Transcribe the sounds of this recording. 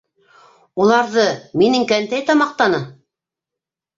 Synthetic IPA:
ulˠɑɾðɤminɘŋkænt̪æjt̪ɑmɑq̚t̪ɑnɤ

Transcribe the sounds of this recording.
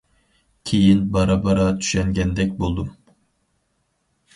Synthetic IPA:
kʲʰejinbɑɾɑbɑɾɑt̪ʰy̥ʃɛŋɡʲɛnd̪ɛk̚ʲbolˠd̪um

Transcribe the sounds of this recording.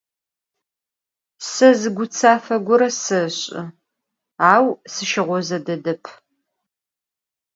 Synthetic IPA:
sɐzɨɡʷʊt͡sʰaːfɐɡʷʊɾɐsɐɕʼɨ̰ | aːwsɨʃɪʁʷɔzɐdɐdɐpʰ

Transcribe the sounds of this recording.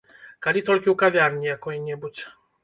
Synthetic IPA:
kalʲit̪ɔlkʲiwkavʲjaɾɲʲijakɔiɲɛbut͡ɕ

